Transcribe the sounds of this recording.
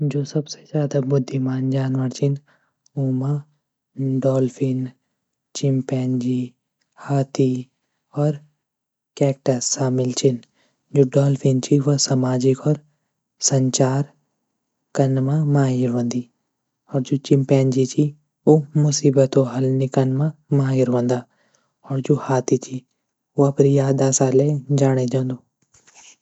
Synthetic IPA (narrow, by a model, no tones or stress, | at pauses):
d͡ʒoːsɐbsezjaːd̪abʊd̪ʱːimaːnd͡ʒaːnʋəɾt͡ʃʰɪn | uːma | ɖɔːlpʰɪn | t͡ʃɪmpɛːnd͡ʒi | haːt̪i | ɔːɾ | kɛːk̚ʈasːaːmɪlt͡ʃʰɪn | d͡ʒoːɖɔːlpʰint͡ʃʰiʋosamaːd͡ʒɪkɔːɾ | sɐɲt͡ʃaːɾ | kɐnmãmaːɦɪɾʋɐ̃nd̪i | ɔːɾd͡ʒoːt͡ʃɪmpɛ̃ːnd͡ʒit͡ʃʰi | omʊsiːbət̪oɦɐlnikɐnmãmaːɦɪɾʋɐ̃nd̪aː | ɔːɾd͡ʒohaːt̪it͡ʃʰi | oɐpɾijaːd̪aːsaled͡ʒaːɽ̃ed͡ʒãːnd̪oː